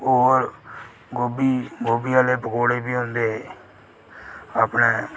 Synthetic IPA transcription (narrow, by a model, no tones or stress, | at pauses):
oːɾ | ɡoːbiːɡoːbiːaːleːpəkoːɽeːbiːɦõnd̪eː | aːpneː